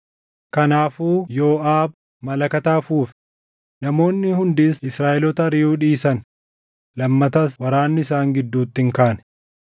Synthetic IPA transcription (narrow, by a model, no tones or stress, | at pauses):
kɐnaːfuːjo̞ːʔaːb̚ | mɐlɐkɐt̪aːfuːf | nɐmo̞ːnːɪhʊnd̪iːsɪsɾaːʔɛlɔt̪ɐɾiːuːᶑiːsɐn | lɐmːɐt̪ɐswɐɾaːnːɪɪsaːŋɡɪd̪ːuːt̪ːɪŋkaːnɛ